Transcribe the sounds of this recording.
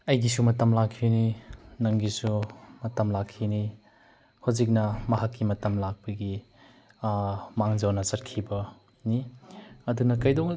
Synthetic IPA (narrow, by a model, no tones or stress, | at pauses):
ɐjɡisumɐtɐmlakʰːininɐŋɡisumɐtɐmlakʰːini | hozik̚nɐmɐɦakːimɐtɐmlak̚pɐɡi | maŋd͡ʒɐwnɐsɐt̚kʰibɐ | niɐdunɐkɐjdɔŋ